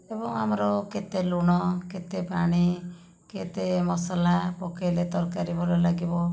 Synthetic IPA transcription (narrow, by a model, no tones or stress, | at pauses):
ebɔŋa̰mɾɔket̪eluɽ̃ɔket̪epaɽ̃i | ket̪emɔsalapɔkelet̪ɔɾkaɾibɔlɔlaɡibɔ